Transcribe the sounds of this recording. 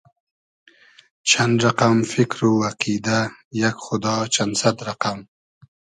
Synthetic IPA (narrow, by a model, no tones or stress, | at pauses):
t͡ʃʰand̪ɾaqamfɪkɾowaqid̪ajakxʊd̪ɑt͡ʃansat̪ɾaqam